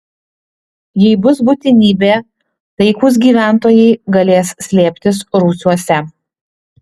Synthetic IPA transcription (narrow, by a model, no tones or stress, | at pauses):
jɛɪbʊsbuːt̪ʲɪnʲiːbʲeː | t̪ɐɪkuːs̬ɡʲiːʋʲæˑnt̪oːjɛɪɡɐlʲeːssʲlʲeːpʲt̪ʲɪsɾuːsʲuɔsʲɛ